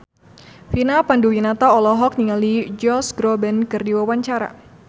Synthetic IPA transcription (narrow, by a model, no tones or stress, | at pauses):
finapanduwinat̪aɔlɔɦɔk̚niŋalid͡ʒɔsɡɾɔbɛnkərdiwawaɲt͡ʃaɾa̰